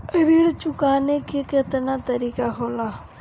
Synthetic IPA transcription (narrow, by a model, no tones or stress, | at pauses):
ɾiːɽt͡ʃʊkaːnekekɪt̪naːt̪əɾiːkakʰoːlaː